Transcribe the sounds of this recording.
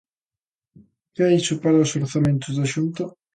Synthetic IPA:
kaisʊpaɾaosoɾθamẽnt̪ʊzd̪aʃunt̪ʊ

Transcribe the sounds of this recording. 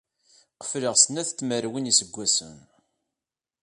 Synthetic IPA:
qə̥fləʁsənæθt͡s̪ːməɾwinisəɡʷːæsə̰n

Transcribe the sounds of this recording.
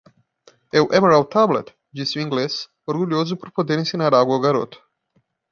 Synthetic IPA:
ewʔemeɾalt̪ʰablḛt̪ | d͡ʒisiŋɡles | oɾɡulʲiozupɾopod̪enisʲinaɾaɡoɡaɾo̰t̪

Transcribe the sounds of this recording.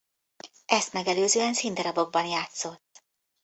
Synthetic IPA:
ʔɛst̪mɛɡɛløːzøːɛnsind̪ɒɾɒbo̞ɡ̚bɒnjaːt̪so̞t̪ː

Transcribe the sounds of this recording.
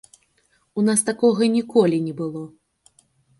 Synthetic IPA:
unast̪akɔɣɐnʲikɔlʲinʲɛbɨlˠɔ

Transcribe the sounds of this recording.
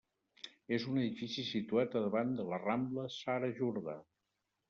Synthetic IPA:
ezunəðifisisit̪uat̪əðəβand̪ələrambləsaɾəʒuɾða

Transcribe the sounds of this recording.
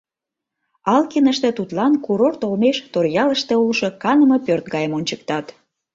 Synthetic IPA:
ɑlkinəʃt̪ĕt̪ut̪lɑnkuɾort̪olmeʃt̪orjɑləʃt̪ĕulʃo̽kɑnəmɤ̆pørt̪̚ɡɑjəmonʲt͡ɕək̚t̪ɑt̪

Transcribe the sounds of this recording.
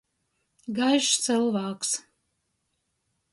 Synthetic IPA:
ɡaʒt͡sɨlˠvaːkʷs

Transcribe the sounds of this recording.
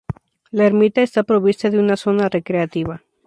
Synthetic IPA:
laeɾmit̪aest̪apɾo̞βist̪aðeunaso̞nare̞kɾe̞at̪iβa

